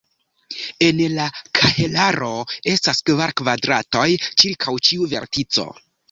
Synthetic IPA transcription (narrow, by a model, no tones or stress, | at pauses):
e̞nlakʰahelaɾo̞e̞staskvaɾkvadɾato̞jt͡ʃiɾkʰawt͡ʃiuve̞̰ɾtit͡so̞̰